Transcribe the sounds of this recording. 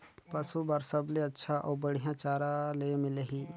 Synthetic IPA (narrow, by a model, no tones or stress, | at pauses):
pɐsubaːɾsəbleɐtːʃʰaʔɔːɾbəɽijãt͡ʃaːɾãlemɪleɦiː